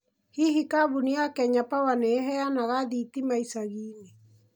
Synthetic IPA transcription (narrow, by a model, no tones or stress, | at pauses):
hiɦikaβuniakɛɲapawaneɦɛanaɣaðit̪imaisaɣine